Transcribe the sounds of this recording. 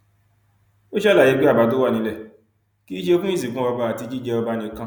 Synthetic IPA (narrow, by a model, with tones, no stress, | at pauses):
o˦ʃɛ˦la˦˨je˨˦ɡ͡be˦a˦˨ba˨˦do˦wa˦˨nĩ˨˧lɛ˦˨ | ki˦ʃe˧˦fũ˦i˦s̬ĩ˨kũ˦a˧ba˧a˨ti˧d͡ʒi˦d͡ʒɛ˧ɔ˧ba˧nĩ˧˦kã˦